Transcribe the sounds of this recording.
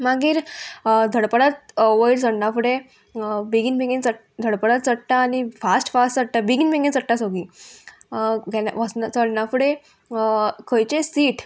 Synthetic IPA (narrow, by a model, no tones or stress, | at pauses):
maɡiːɾd̪ʱəɽpəɽat̪̚ʋəjlsəɽnafuɽẽ | biɡinbʱẽɡint͡sə | d̪ʱəɽpəɽat̪t͡səʈʈaːnifasʈfasʈt͡səʈʈːabiɡinbeɡint͡səʈʈasoɡi | ɡɛaʋəsnat͡səɽnafuɽe | kʰəjt͡ɕesiːʈ